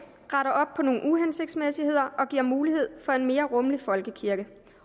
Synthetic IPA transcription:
ʁɑɾɐʔɒ̽b̥̚pʰɒ̽no̝ːn̩uɦense̝ɡ̥̚d̥smesihe̝ð̞̰ˠɐʔɒ̽ɡ̥iɐmuːlihe̝ð̞̰ˠfɒ̽e̝nme̝ːɐʁɔ̽mlifɒ̽lɡ̥əkʰiɐɡ̥ə

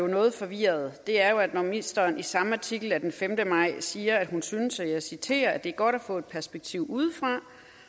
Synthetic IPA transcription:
jo̝nɔ̽ːð̞̩ˠfɒ̽ʋiɐð̞̩ˠd̥e̝æɐjo̝æd̥nɒmisd̥ɐːnʔisɑ̈məɑ̈t͡sʰiɡ̥l̩æd̥enfemd̥əmɑ̈ɪ̰siːɐæd̥ɦunsynəsæjɑ̈ɪsit͡sʰe̝̰ːɐæd̥e̝ɐɡ̥ɒ̽ɾ̥æfɔ̰̽ːe̝d̥̚pʰæɐsb̥eɡ̥̚t͡sʰiʊ̰ʔuð̞̰ˠfʁɑ̈

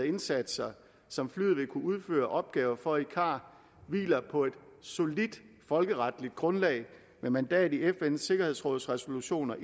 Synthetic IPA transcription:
e̝nsæd̥sɐ | sɒ̽mflyðˠʋe̝kʰuuð̞ˠfø̰ːɐʔɒ̽b̥̚ɡ̥ɛːʊɐfɒ̽ikʰɑ̰̈ː | ʋḭːlɐpʰɒ̽e̝d̥so̝lid̥ | fɒ̽lɡ̥əʁɑ̈d̥lid̥̚ɡ̥ʁɔ̽nlɛ̰ːɪ | memænd̥ɛ̰ːd̩ˠiefense̝ɡ̥ɐhe̝ðˠsʁɔ̽ːðˠsʁɛso̝luɕo̝̰ːnɐʔ

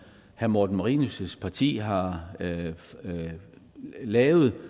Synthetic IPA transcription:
hæmoːd̥n̩mɑʁiːnusəspʰɑ̈t͡sʰḭːɦɑ̈ | lɛːʊð̩ˠ

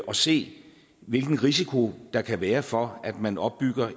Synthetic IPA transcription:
ʔɒ̽se̝̰ː | ʋe̝lɡ̥n̩ʁis̬ikʰo̝d̥ɑ̈kʰæʋæːɐfɒ̽æd̥mænɒ̽b̥ːyɡ̥ɐ

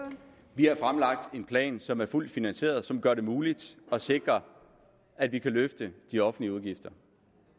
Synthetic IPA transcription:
ʋiɑfʁamlɑ̈ɡ̥̚d̥e̝npʰlɛ̰ːnsɒ̽mæɐful̰d̥finænse̝̰ːɐð̞̩ˠsɒ̽mɡ̥ɶɐɾe̝muːlid̥ɒ̽se̝ɡ̥ʁɐ | æd̥ʋikʰæløfd̥əd̥iɒ̽fn̩liəuð̞ˠɡ̥ifd̥ɐ

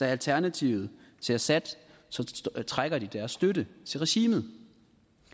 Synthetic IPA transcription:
æælt͡sʰæɐnæt͡sʰiʊð̩ˠ | t͡sʰe̝æsæd̥ | sɒ̽t͡sʰʁaɡ̥ɐd̥id̥æɐsːd̥ødət͡sʰe̝lʁɛɕḭːmð̩ˠ

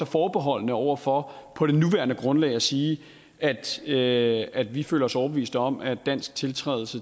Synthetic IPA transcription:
ɒfɒːb̥eɦɒ̽l̰nəɒʊ̰ɐfɒ̽pʰɒ̽ɾ̥e̝nuʋæɐnəɡ̥ʁɔ̽nlɛ̰ɪæsiː | ʔæd̥ | æd̥ʋifø̰ːlɐɒ̽sɒʊɐb̥əʋḭːsd̥əɒ̽mæd̥æn̰sɡ̥̚t͡sʰe̝lt͡sʰʁɛ̰ːðˠl̩sə

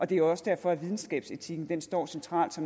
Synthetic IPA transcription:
ʔɒ̽d̥e̝æɒ̽səd̥æɐfɒ̽æʋið̞ˠn̩sɡ̥ɛ̰ːb̥se̝t͡sʰiɡ̥n̩d̥ensd̥ɒ̰ːsent͡sʰʁɑ̰̈ːld̥sɒ̽m

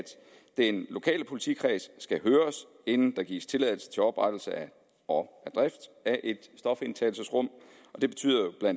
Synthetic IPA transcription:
d̥ | d̥enlo̝kʰɛ̰ːləpʰo̝li̥t͡sʰikʰʁɛːssɡ̥æɦøːɐs | e̝nn̩d̥ɑ̈ɡ̥ḭːst͡sʰe̝lɛð̞ˠl̩sə̥t͡sʰe̝lɒ̽b̥ʁad̥l̩səæ | ɒæd̥ʁɛfd̥æʔe̝d̥sd̥ɒ̽fe̝nt͡sʰɛ̰ːl̩səsʁɔ̽m̰ | ɒ̽d̥e̝b̥e̝t͡sʰy̰ːðˠɐjob̥lænd̥

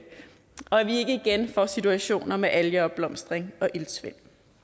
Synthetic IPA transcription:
ɒ̽æʋie̝ɡ̥əiɡ̥enfɒ̰sit͡sʰuæɕo̝̰ːnɐmeʔæljəɒ̽b̥b̥lɒ̽msd̥ʁeŋɒ̽ʔilsʋḛn̰

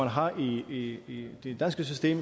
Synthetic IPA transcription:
ænɦɑ̈ʔiiid̥ed̥ænsɡ̥əs̬ysd̥e̝̰ːm

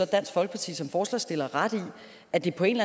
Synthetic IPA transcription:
ɒ̽d̥æn̰sɡ̥fɒ̽lɡ̥ə̥pʰɑ̈t͡sʰḭːsɒ̽mfɒːslɛ̰sd̥e̝lɐʁad̥i | æd̥e̝pʰɒ̽e̝nlæ

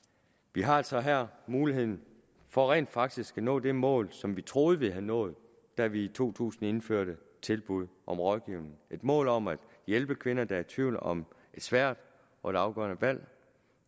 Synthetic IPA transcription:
ʋiɦɑ̈æl̰sɒ̽ɦæɐ̰muːliɦe̝ð̰ˠn̩ | fɒ̽ʁḛːnd̥fɑ̈ɡ̥d̥isɡ̥ænɔ̰̽ːd̥e̝mɔ̰̽ːlsɒ̽mʋit͡sʰʁo̝ːð̞̩ˠʋe̝ɦænɔ̰̽ːð̞̩ˠ | d̥æʋiːt͡sʰo̝̰ːt͡sʰṵːsn̩e̝nføɐ̰ɾ̥ə | t͡sʰe̝lb̥uð̞̰ˠʔɒ̽mʁɒ̽ðˠɡ̥iʊ̰nn̩e̝d̥mɔ̰̽ːlɒ̽mæd̥ | jelb̥əkʰʋe̝nɐd̥ææɐt͡sʰʋiʊ̰lɒ̽m | e̝d̥sʋæɐ̰d̥ | ɒ̽e̝ɾ̥ɑ̈ʊɡ̥ɶ̰ɐnəʋæl̰

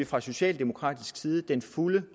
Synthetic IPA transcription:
ifʁɑ̈so̝ɕɛ̰ːld̥e̝mo̝kʰʁɑ̰ːd̥isɡ̥siːð̞ˠəd̥enfulə

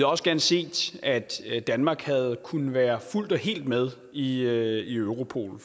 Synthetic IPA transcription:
ɒ̽səɡ̥æɐnəse̝̰ːd̥æd̥d̥ænmɑ̈ːɡ̥hæð̞̩ˠkʰunəʋæːɐful̰d̥ɒ̽ɦe̝̰ːld̥með̞ˠ | iøiøʊʁo̝pʰo̝̰ːl̩

